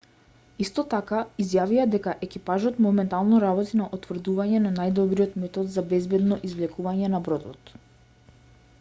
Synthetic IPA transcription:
ist̪ɔt̪akaizjaviad̪ɛkaʔɛkipaʒɔt̪mɔumɛnt̪alˠnɔɾabɔt̪inaʔut̪vr̩d̪uvaɲɛnanajd̪ɔbɾijɔt̪mɛt̪ɔt̪zabɛzbɛd̪nɔʔizvlɛkuvaɲɛnabɾɔd̪ɔ̰t̪

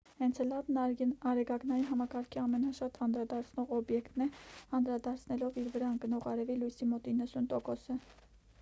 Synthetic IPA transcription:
hɛnt͡sʰlɑbnɑɾɛɡɑɡnɑjiɦɑmɑkɑɾkʰiɑmɛnɑʃɑt̪ʰɑnd̪ɾɑd̪ɑɾt͡sʰnɔʁɔbjɛkt̪nɛɑnd̪ɾɑd̪ɑɾt͡sʰnɛlɔviɾvəɾɑnɡənɔʁɑɾɛvilujsimɔt̪inːəsunt̪ɔkɔsə

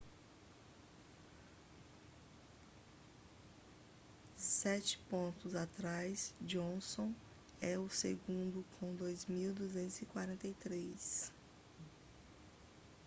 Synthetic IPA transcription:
sɛt͡ʃɪ̥põnt̪ʊzat̪ɾajsd͡ʒõsõw̃ | ɛʊseɡũnd̪ʊkʰõw̃d̪ojzmiwd̪uzẽnt̪ʊzikwaɾẽnt̪ejt̪ɾejs

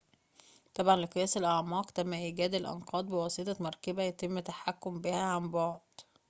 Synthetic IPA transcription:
t̪ˤɑbʕɑnleqɨjæːselʔɑʕmɑːqt̪æmːæʔiːɡæːd̪elʔɑ̰nqɑːd̪ˤbewɑset̪ˤɑmɑɾˤkæbæjæt̪emːt̪aħakːombihæʕambɑʕd̪̥

